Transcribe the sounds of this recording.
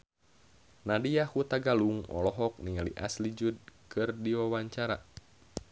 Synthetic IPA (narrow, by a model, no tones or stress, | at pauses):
nadijahut̪aɡaluŋɔ̰lɔɦɔk̚niŋalḭʔa̰slid͡ʒud̚kɨrdiwawaɲt͡ʃaɾa̰